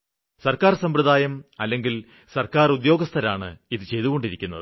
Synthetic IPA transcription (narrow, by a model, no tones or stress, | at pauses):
sɐrkaːrsɐmpɾɨðaːjɐmɐlːe̞ŋɡil | sɐrkaːrud̪jo̞ːɡɐst̪ʰɐɾaːɳɨ̰iðɨt͡ɕe̞jt̪uɣo̞ɳɖiɾikʲːunːɐ̰ðɨ